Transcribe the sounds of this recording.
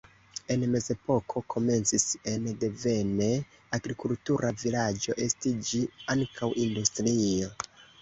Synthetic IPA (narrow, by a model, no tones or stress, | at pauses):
e̞nme̞ze̞po̞kʰo̞kʰo̞me̞nt͡sise̞nde̞ve̞ne̞ | aɡɾikultuɾʔavilad͡ʒo̞̰ʔe̞stid͡ʒiaŋkʰawʔindustɾio̞